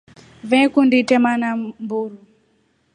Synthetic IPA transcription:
vɛkunditɛmanambuɾu

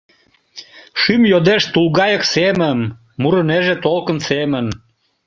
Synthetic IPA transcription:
ʃymjod̪eʃt̪ulɣɑjəksemənː | uɾəneʒet̪olkənsemən

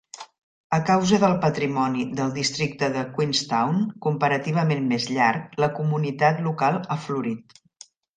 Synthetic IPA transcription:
əkawzəðəlˠpət̪ɾimɔniðəlˠd̪ist̪ɾik̚t̪əðəkwinst̪awnkumpəɾət̪iβ̞əmenmezʎaɾkləkumunit̪at̪lukalˠafluɾit̪

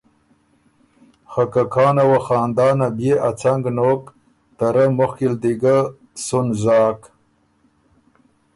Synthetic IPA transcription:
xakakʰɑːnawaxɑːnd̪ɑːnabjeat͡saŋɡnoːk | t̪aɾamʊxkild̪iɡa | sunzɑːk

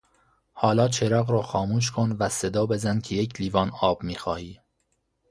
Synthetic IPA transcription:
hɒːlɒːt͡ʃʰeɾɒːɣɾɒːxɒːmuːʃ̬kʰonvæsed̪ɒːbe̞zænkʰejecʰliːvɒːnɒːb̥miːxɒːhiː

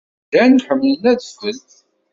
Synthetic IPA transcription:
d̪ænħəmːlənæðəfðəlθ

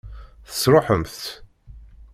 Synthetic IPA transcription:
θə̥sɾˤoħəmθθ

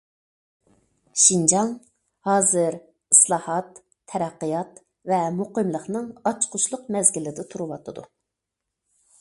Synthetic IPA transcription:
ʃind͡ʒɑŋ | hɑːzɨɾ | islˠɑːhɑt̪ʰː | ɛɾæqːəjɑt̪ | vɛmoqəmlˠəχnɨŋɑt͡ʃqʰʊʃlˠʊqmɛzɡʲilɪd̪ɪt̪ʰuɾuwɑt̪ʰɨd̪ṵ

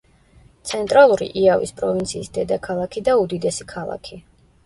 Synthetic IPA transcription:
t̪sʰɛnt̪ʼɾalˠuɾḭʔiavḭspʼɾɔvint̪sʰiːsd̪ɛd̪akʰalˠakʰid̪aud̪id̪ɛsi̥kʰalˠa̰kʰi

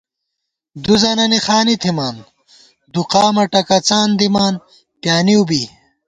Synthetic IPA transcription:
d̪uzɐnɐnixaːnit̪ʰimaːn | d̪uqaːmɐʈɐkɐt͡saːnd̪imaːn | pjaːniubi

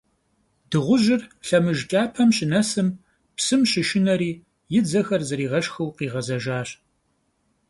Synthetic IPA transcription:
d̥ɨʁʷʊʒɪrɬɐmɨʒt͡ʃʼaːpʰɐmɕɪnɐsɨm | psɨmʃɪʃɪnɐɾiː | jɪd͡zɐxɐrzɐɾiːʁɐʃxɐwqiːʁɐzɐʒaːɕ

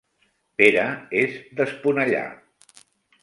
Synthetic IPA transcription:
peɾəezðəspunəʎa̰

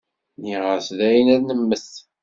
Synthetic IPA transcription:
niʁəɾsðæjənæðnəmːəθ

